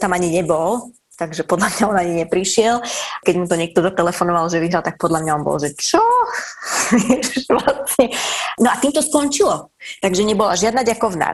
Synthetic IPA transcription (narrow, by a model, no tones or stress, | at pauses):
t̪amaɲiɲɛbɔl | t̪aɡʒɛpɔd̪ʎamɲaɔnaɲiɲɛpɾiʃɪɛlkɛɟmut̪ɔɲɪɛk̚t̪ɔzat̪ɛlɛfɔnɔʋalʒɛʋiɦɾalt̪ak̚pɔd̪ʎamɲaɔnbɔ̰lʒɛt͡ʃɔ | ɛʃʋlasɲɛnɔat̪iːmt̪ɔskɔɲt͡ʃilɔt̪aɡʒɛɲɛbɔla̰ʒɪad̪naɟakɔʊna̰